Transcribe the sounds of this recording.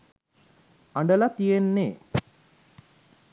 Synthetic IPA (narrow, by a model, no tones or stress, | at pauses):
aɳɖəlat̪ijenːeː